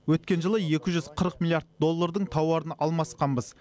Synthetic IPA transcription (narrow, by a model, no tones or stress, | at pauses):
wɵt̪̚kʲe̞nʒəlˠəje̞kʲɪʒʏz̥qʰəɾəqmʲilˠjaɾt̪̚d̪o̞lˠːaɾd̪əɴt̪ʰɑwɑɾənɑlˠmɑsqɑnbəz